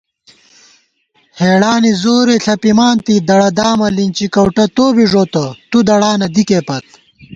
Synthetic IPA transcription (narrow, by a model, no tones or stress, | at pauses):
heːɽaːnizoːɾeɬɐpimaːnt̪id̪ɐɽɐd̪aːmɐlint͡ɕikɐwʈɐt̪oːbiʐoːt̪ɐt̪ud̪ɐɽaːnɐd̪ikeːpɐt̪̚